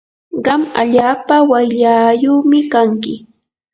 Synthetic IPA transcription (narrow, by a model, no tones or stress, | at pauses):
ɢɑma̰ʎaːpawajʎajoːmɪkaŋkɪ